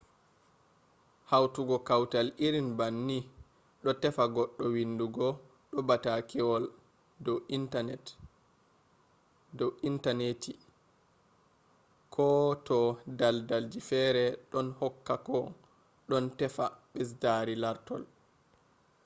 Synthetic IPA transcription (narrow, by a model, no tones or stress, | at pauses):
hawtuɡɔkawtaliɾinbanːi | ɗɔtɛfaɡɔɗːɔwinduɡɔ | ɗɔbatakʰɛwɔl | dɔtnɛt | dɔʔintaneti | kʰɔtɔdaldald͡ʒifɛɾɛɗɔnhɔkːakɔ | ɗɔntɛfaɓɛs̬daɾilaɾtɔ̰l